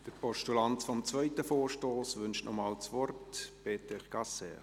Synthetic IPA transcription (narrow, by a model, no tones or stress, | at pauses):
d̥əɾpɔʃtulantfɔmt͡svœʏtəfoːɾʃtoːsʋʏnʃtnʔɔmɑːlt͡sʋɔrtpeːtɛχɡ̥ɑsɛ̰